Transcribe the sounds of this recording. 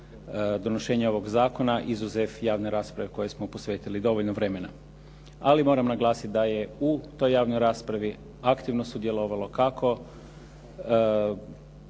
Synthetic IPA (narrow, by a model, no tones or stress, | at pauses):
d̪o̞noʃe̞ːɲeo̞ʋo̞ɡzaːko̞naʔizuzefjaːʋneɾaːspɾaʋeko̞je̞smopo̞sʋe̞ːt̪ilid̪o̞ʋo̞ʎnoʋɾe̞me̞na̰ | alimo̞ːɾamnaɡlˠaːsit̪̚d̪aje̞ut̪o̞jːaːʋnojɾaːspɾaʋi | akt̪iʋnosud̪je̞lˠo̞ʋalˠo̞kakʰo̞